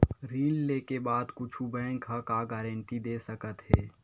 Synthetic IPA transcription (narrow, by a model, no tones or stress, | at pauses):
ɾiːnleːkebaːd̪kʊt͡ʃʰubɛ̃ːŋkʰakaɡɛːɾə̃ɳʈid̪eːsəkət̪ɦeː